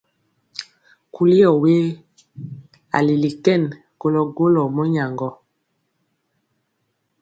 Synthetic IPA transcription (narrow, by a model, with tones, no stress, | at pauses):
ku˨li˦ɔ˨we˦ | a̰˨li˨li˨kɛ˦˨n | ko˨lɔ˨ɡo˦lɔ˨mɔ˦ɲa˨ŋɡɔ˨